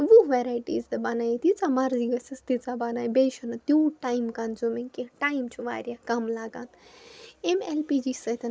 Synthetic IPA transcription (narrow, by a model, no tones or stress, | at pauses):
ʋuʋeɾaːjʈḭːzd̪ɨbɐnajt̪it͡samɐɾziɡɐsɐst̪it͡sabɐnaːjbeʃɐnɨt̪juːʈajmkɐnzumiŋkiʈajmt͡ʃʰuʋa̰ːɾʲjakɐmlaɡant̪emelpid͡ʒisɐt̪ʰɐn